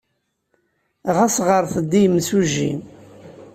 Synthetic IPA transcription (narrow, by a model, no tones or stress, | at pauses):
ʁasʁəɾˤθəd̪ːijmːsuʒḭ